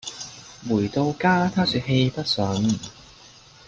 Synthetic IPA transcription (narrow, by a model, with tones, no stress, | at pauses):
muː˨˩jt̪o˧wkaː˥t̪ʰaː˥syː˨t̚he˧jpɐ˥t̚sœ˨˥ŋ